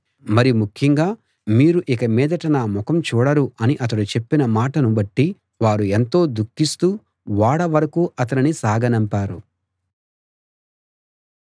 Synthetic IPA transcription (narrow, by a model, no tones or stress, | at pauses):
mɐɾimukʰjɐŋɡaː | miːɾuʔikɐmɛːd̪ɐʈɐnaːmɔkɐmt͡ʃuːɽɐɾuɐniʔɐt̪ɐɽut͡ʃe̞pːinɐmaːʈɐnubɐʈːi | ʋaːɾue̞nt̪o̞ːd̪ukːist̪uː | ʋaːɽɐʋɐɾɐkuːʔɐt̪ɐninisaːɡʱɐnɐmpaːɾṵ